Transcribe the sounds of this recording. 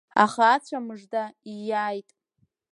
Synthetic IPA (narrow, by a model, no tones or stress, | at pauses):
a̰χaːt͡ɕʷʰamɨʐdaijaːjtʼ